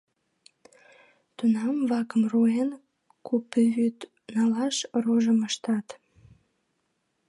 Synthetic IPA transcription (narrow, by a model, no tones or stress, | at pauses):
t̪unɑmvɑkəmruen | kupːyβyt̪ | nɑlɑʃroʒəməʃt̪ɑt̪